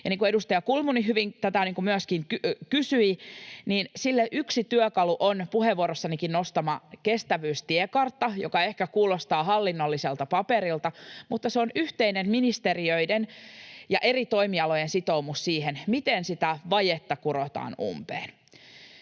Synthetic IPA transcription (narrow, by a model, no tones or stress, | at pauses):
jɑniːŋkuedust̪ɑjɑkulmuniɦyʋiŋt̪æt̪æniːŋkumyæskiŋkkysyiniːnsilːeʔyksit̪yøkɑluʔonpuheʋːuoɾosːɑnikinnost̪ɑmɑkest̪æʋyːst̪iekɑrt̪ːɑjokɑehkækuːlost̪ɑːɦɑlːinːolːiselt̪ɑpɑpeɾilt̪ɑmut̪ːɑseonyht̪einemminist̪eriøidenjɑʔe̞rit̪o̞imiɑlojensit̪o̞umussiːhenmit̪ensit̪æʋɑjet̪ːɑkuɾot̪ɑ̰ːnṵmpḛːn